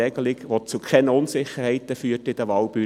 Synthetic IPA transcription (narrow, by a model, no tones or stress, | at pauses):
ɛɡəlɪɡʋot͡sukʰɛnəʊnsɪχəɾhɛɪt̪əfyːtɪd̥̪əʋɑːlb̥y